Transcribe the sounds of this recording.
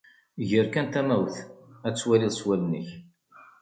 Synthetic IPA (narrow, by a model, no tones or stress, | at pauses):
ʝəɾkænt̪æmæwθæt͡sːwæliðˤsˤwælnəç